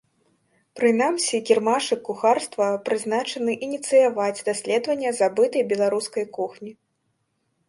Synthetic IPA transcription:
pɾɨn̪amsʲikʲirmaʂɨkːuxarst̪vɐpɾɨznat͡ʂɐnɨʔinʲit̪sɨjavad͡zʲd̪asʲlʲɛd̪vɐnʲːɐzabɨt̪ɐjbʲɛlˠaɾuskɐjkuxnʲi

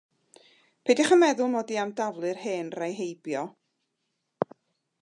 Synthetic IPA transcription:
pʰejdɪχənmɛðʊlˠmɔdiamdavlˠɨrheːnrajɦejbjɔ

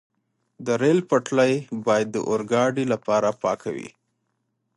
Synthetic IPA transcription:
d̪əɾelpəʈlajbɑjad̪ːə̰ʔoɾɡɑɖilapɑɾapɑ̰kʰa̰wḭ

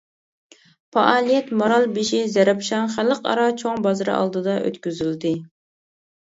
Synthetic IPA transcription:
pɑʔɑːlˠijɛt̪moɾɑlˠbiʃizɛɾɛpʃɑnχælˠəqɑ̰ɾɑt͡ʃʰoŋbɑzɨɾɨ̰ʔɑ̰lˠd̪ɨd̪ɑʔø̰t̪kʲyzyld̪ɪ

